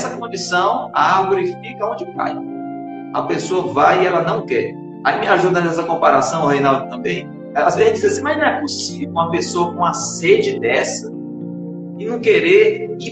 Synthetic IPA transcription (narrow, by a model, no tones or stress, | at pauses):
sɐkõd͡ʒisɐ̃w̃aɡoɾifikɐõnd͡ʒɪka̰j | ɐpesoɐvajɪɛlɐnɐ̃w̃kɛ̰ɾ | aimɪaʒud̪ɐɛsɐkõpaɾasɐ̃w̃ɔhejnawd̪ʊt̪ɐ̃mbẽj̃ | ɛlɐazvez̃d͡ʒizɐsĩmɐznɐ̃w̃ɛposivewũɐpesoɐkõɐsed͡ʒɪd̪ɛsɐ | ɪnɐ̃w̃keɾeɾi